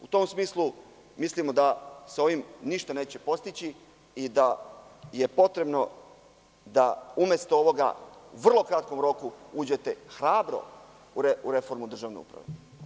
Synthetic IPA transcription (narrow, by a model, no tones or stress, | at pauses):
ut̪o̞msmiːslu | mislimo̞d̪aso̞ʋimniʃt̪ane̞ːt͡ɕe̞po̞st̪it͡ɕi | id̪aje̞po̞t̪ɾe̞bno̞ | d̪aumjest̪ooʋo̞ɡa̰uʋr̩lˠo̞kɾat̪ko̞mɾo̞kuuːd͡ʑe̞t̪e̞xɾaːbɾo̞̰ | uɾeuɾe̞fo̞ɾmud̪r̩ʒaːʋnḛṵpɾa̰ʋe